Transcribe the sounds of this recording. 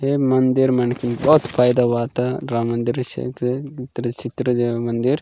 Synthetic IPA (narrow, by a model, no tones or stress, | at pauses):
ɦemɐnd̪iɾmɐnkinbɔːt̪pʰaːjd̪aʋaːt̪aɾaːmɐnd̪iɾt͡ʃʰḛkeit̪ɾət͡ʃit̪ɾəd͡ʒemɐnd̪iɾ